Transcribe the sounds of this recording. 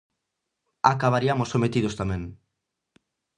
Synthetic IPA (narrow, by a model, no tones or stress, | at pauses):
akaβ̞aɾiamosomet̪iðost̪amẽŋ